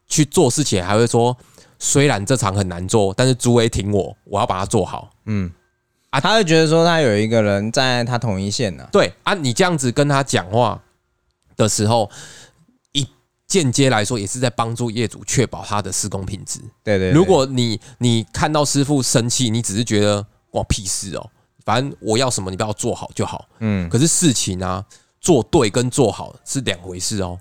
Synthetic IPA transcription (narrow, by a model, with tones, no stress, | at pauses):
t͡ɕʰy˥˧t͡swɔ˥˧ʂɻ̩˥˩t͡ɕʰi˨ŋxa˧˥ɪxwe˥˩ɪʂwɔ˦ | swe˥ɪɻa˧˦nt͡sɤ˥˨ʈ͡ʂʰɑ˧˦ŋxə˨˩nːa˧˦nt͡swɔ˥˨t̪a˥˧nʂ̩˥˩t͡su˧˦˥we˧˦ɪt̪ʰi˧˦˥ŋwɔ˨˩˦wɔ˨˩jɑ˥˩ʊpa̰˨˩a˦˥t͡swɔ̰˥˩xɑ̰˨˩˦ʊ˥˩ | a˥t̪ʰa˥xwe˥˩ɪt͡ɕɥɛ˧˥d̪ə˨˧s̬wɔ˦t̪ʰa˦jo˨˩ʊi˧˦ɡə˨ɻə˧˦nt͡sa˥˧ɪt̪ʰa˦˥t̪ʰʊ˨˥ŋi˥˧ɕjɛ˥˨nə̰˨t̪we˥˩ɪa˥˩ni˨˩ʈ͡ʂɤ˥˧jɑ˥˩ŋd͡zɹ̩˨kə˦nt̪ʰa˦˥t͡ɕjɑ̰˨˩ŋxwa̰˥˩ | d̪̥ə˨ʂɻ̩˧˥xo˥˩ʊ | i˨˥ | t͡ɕjɛ˥˨nt͡ɕjɛ˦la˧˦ɪʂwɔ˥jɛ˨˩ʂɻ̩˥˧t͡sa˥˩ɪpɑ˦ŋt͡su˥˧jɛ˥˨t͡sṵ˨˩t͡ɕʰɥɛ˥˨˩pɑ˨˩ʊt̪ʰa˦d̪ə˨ʂɹ̩˥˧ko˦ŋpʰi˨˩nt͡sɹ̩˨˦t̪we˥˨˧we˥˧lu˨˦kwɔ˨˩ni˨˩ni˨˩kʰa˥˧nt̪ɑ˥˩ʊʂɻ̩˥fu˥˨ʂə˦˥nt͡ɕʰi˥˨ni˨˦ʈ͡ʂɻ̩˨˩ʂ̩˥˩t͡ɕɥɛ˧˦d̪ə˨ | kwa˨˩ŋpʰi˥˩ʂɻ̩˥˩ɔ̰˨˩ | fa˨nə˦nwɔ˨˩jɑ˥˩ʊʂə˧˦mə˨ni˨˩˥jɑ˥˧ʊt͡swɔ˥˩hɑ˨˩ʊt͡ɕjo˥˩ʊxɑ̰˨˩˦ʊ˥˩kʰə˨˩ʂ̬ɻ̩˥˧ʂɻ̩˥˨t͡ɕʰi˨˦na˦ | t͡swɔ˥˧t̪we˥˩ɪkə˦nt͡swɔ˥˩xɑ˨˩ʊʂɻ̩˥˩lja˨˩ŋxwe˧˦ɪʂɻ̩˥˩ɔ̰˨˩